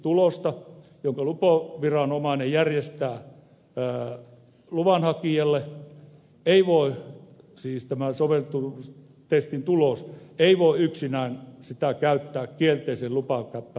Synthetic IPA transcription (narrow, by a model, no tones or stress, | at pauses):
t̪ulost̪ɑjoŋkɑlupoʋirɑnomɑˑinejjærjest̪æː | luʋɑnhɑkiɑlːe | eiʋoˑe | siːst̪æmæsoʋelt̪ːu | t̪est̪int̪uloseiʋoˑeyksinæˑinsit̪ækæyt̪ːæːkkielt̪eiselupɑŋkæpːæ